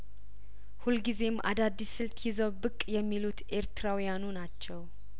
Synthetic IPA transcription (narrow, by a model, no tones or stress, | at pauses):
hulɡize̞mʔa̰d̪ad̪ːisːɨlt̪ʰʼjɪzəwbɨkʼːjɛmːilut̪ʔe̞ɾt̪ɨɾawijanunat͡ʃːɛw